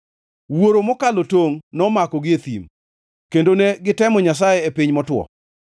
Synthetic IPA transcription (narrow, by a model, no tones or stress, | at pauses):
woɾomɔkalotoŋnɔmakɔɡɪet̪im | kendoneɡɪtɛmɔɲas̬ajɛepɪɲmɔtwɔ̰